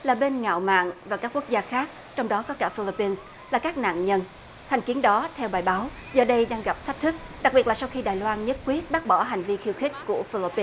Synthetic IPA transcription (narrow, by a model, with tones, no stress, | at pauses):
laː˨˩ɓe˧nŋa̰ː˧˨wma̰ː˧˨ŋvaː˨˩kaː˦˥kːu˦˥ək̚zaː˧xaː˦˥k̚ | t͡ɕɔ˧wŋ͡mɗɔ˨˦kɔ˨˦kaː˧˩fi˧li˧pːi˧ns | laː˨˩kaː˦˥k̚na̰ː˧˨nɲə˧n | t̪ʰɛ˨˩ŋ̟ki˨˦ənɗɔ˨˦t̪ʰɛ˧wɓaː˨˩jɓaː˨˦wzəː˨˩ɗə˧jɗaː˧ŋɣa˨˩p̚t̪ʰa˦˥jk̚t̪ʰɨ˦˥k̚ɗa˨˩k̚ɓi˨˩ətlːsa˧wxi˧ɗaː˨˩jlwaː˧nɲə˦˥t̚kwi˦˥ət̚ɓaː˦˥k̚ɓɔː˧˩ɦa˨˩jŋ̟vi˧xi˧əwxï˦˥k̟̚ku˧˩əfi˧li˧pːi˧n